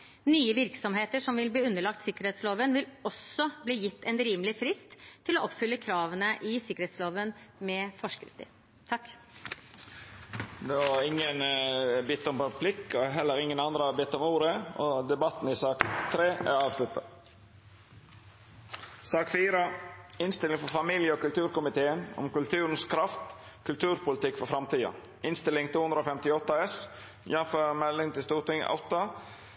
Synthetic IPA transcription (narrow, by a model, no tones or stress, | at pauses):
nyːəʋɪɾksɔmɦeːt̪əʂɔmʋɪlbliːʉnːəɭɑk̚t̪sɪkəɾheːt̪sloːʋənʋɪlɔsɔbliːjɪt̪ːɛnɾiːməlɪfɾɪst̪ʰːɪlɔʔɔpfʏlːəkʰɾɑːʋənəʔɪsɪkəɾheːt̪sloːʋənmɛfɔʂkɾɪ̰ft̪ə̰ | t̪ʰɑkː | d̪ɛʋɑɾɪŋːənbɪt̪ːɔmpɑplɪkːɔɦɛlːəɾɪŋːənɑnd̪ɾəɑbɪt̪ːɔmuːɾəɔd̪ɛbɑt̪ːn̩ɪsɑːkt̪ʰɾeːæ̰ɾɑːʋslʉt̪ːə | sɑːkfiːɾəɪnst̪ɪlɪŋfɔfɑmiljəɔkʉlt̪ʰʉːɾkʊmɪt̪ʰeːənɔ̰mkʉlt̪ʰʉːɾənskʰɾɑft̪ | kʰʉlt̪ʰʉːɾpʊlət̪ɪkːfɔfɾɑmt̪ʰiːɑ̰ | ɪnst̪ɪlːɪŋt̪ʰuːʉnɾoːfɛmt̪ɪɔt̪ːɑɛs | jɛnføɾmɛlːɪŋt̪ɪlst̪uːɾt̪ɪŋɑ̰ʊt̪ːɑ